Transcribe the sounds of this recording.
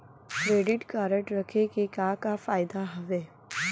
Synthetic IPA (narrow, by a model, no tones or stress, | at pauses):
kɾeːɖɪʈkaːɾəʈɾɐkʰekekaːkafaːjɪd̪aɦɐʋeː